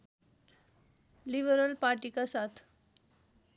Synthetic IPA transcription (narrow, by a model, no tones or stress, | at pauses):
libəɾəlpaɾʈikasat̪ʰ